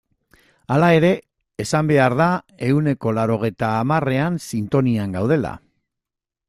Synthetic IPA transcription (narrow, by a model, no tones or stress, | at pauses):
alae̞ɾe̞ː | sambe̞aɾða | e̞une̞ko̞lawɾo̞ɣ̞e̞jt̪aːmare̞ansint̪o̞niaŋɡawðe̞la̰